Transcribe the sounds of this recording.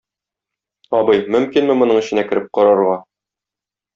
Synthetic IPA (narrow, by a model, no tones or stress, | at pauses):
ɒbɤjmɵ̆mkinmɘmŏnɤɴɘ̆ɕɘ̆nækɘ̆ɾɘp̚qɒɾɑɾʁɑ